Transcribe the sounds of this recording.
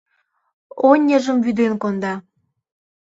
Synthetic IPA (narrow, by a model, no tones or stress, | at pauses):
onʲːə̆ʒə̆mvyd̪enkond̪ɑ